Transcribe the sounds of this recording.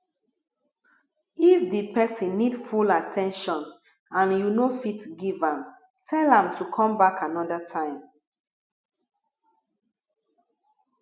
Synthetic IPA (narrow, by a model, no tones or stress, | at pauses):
ifdipɛsĩnːidfulatʰɛ̃nʃɔ̃n | ãnjunofitɡivãm | tʰɛlãmtʰukʰɔ̃mbakanɔdətʰãɪ̃m